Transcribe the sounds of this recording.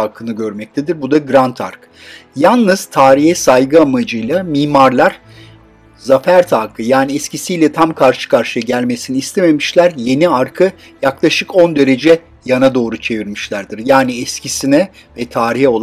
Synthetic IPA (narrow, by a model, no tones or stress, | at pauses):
akʰɯnɯɟø̞ɾmɛc̚t̪ʰed̪iɾbud̪aɡɾant̪ʰa̰ɾk | janˠnɯz̥t̪ʰaːɾiɦɛsajɡɯamad͡ʒɯjlˠamiːmaɾlˠaɾ̥ | zafæɾt̪ʰaːkʰɯjaːniɛscisijlʲɛt̪ʰamkʰaɾʃɯ̥kʰaɾʃɯjaɟælʲme̞siniːst̪ʰe̞me̞miʃlʲæɾje̞niaɾkʰɯ | jaklˠaʃɯko̞nd̪e̞ɾe̞d͡ʒɛ | janad̪o̞ːɾut͡ʃʰe̞viɾmiʃlʲæɾd̪iɾjaːniɛscisinɛ | vɛt̪ʰaːɾiɦɛo̞lˠ